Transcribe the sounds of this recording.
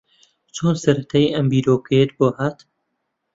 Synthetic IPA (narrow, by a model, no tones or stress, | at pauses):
t͡ʃʰoːnsɐɾɐt̪ʰaːiʔɐmbiːɾoːkeet̪boːhaːt̪